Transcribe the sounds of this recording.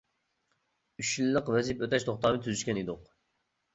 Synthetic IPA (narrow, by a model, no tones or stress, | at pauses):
yʃilːəqvɛzipøt̪ʰɛʃt̪ʰoχt̪ɑːmɨt̪ʰyzyʃkʲɛnid̪ʊq